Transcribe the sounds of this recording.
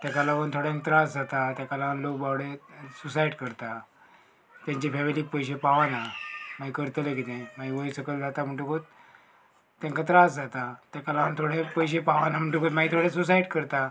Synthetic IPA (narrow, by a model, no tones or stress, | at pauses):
t̪jakalapənt̪ʰoɽaẽŋk̚t̪ɾasd͡zat̪at̪jakalaʋənlokbawɽesusajiɖkəɾt̪a | t̪jãɲt͡ɕifɛʋliːk̚pəjɕepaʋanamaikəɾt̪əlekit̪ẽmaiʋəisəkəld͡zat̪am̤əɳʈukot̪̚ː | ãŋkat̪ɾasd͡zat̪at̪jakalaʋənt̪ʰoɽẽpəjɕ̬epaʋanam̤əɳʈukot̪mait̪ʰoɽesusaiɖkəɾt̪a